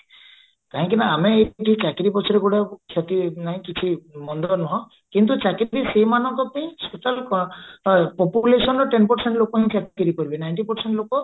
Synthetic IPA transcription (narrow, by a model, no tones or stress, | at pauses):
kaɦɔ̃ŋkinaameːʈʰiɦĩkakiɾipɔt͡ʃʰɔɾeɡuɽakʰjat̪inaɦĩkit͡ʃʰimɔnd̪ɔnɔɦɔ̃ | kint̪ut͡ʃakiɾiseɦimanɔŋkɔt̪ẽĩɔspeʈal | pɔpulesɔnɾɔʈenpɔɾseɳʈlokɔɦĩkʰjat̪kiɾikɔɾibinajɳʈipɔɾseɳʈlokɔ